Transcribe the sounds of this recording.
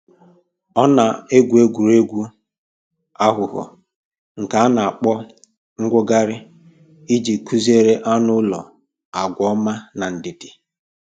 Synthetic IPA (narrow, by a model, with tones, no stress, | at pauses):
ɔ˦na˨e˦ɡʷu˨e˦ɡʷu˨ɾe˦ɡʷu˦ | a˦ɦʊ˨ɣɔ̰˨ | ŋ̩˨ka˨a˦na˨a˨k͡pɔ˦ | ŋ̩˦ɡʷʊ˦ɡa˦ɾɪ˦ | i˦d͡ʒi˨kʰu˦ze˦ɾe˦ʔa˦nʊ˦lɔ̰˨ | a˨ɡʷɔ˦ma˦na˨n̩˨dɪ˨dɪ̥˨